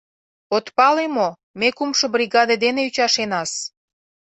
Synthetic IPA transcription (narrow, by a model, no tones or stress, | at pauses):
ot̪pɑlemo | mekumʃobriɣɑd̪ed̪eneyt͡ɕɑʃenɑs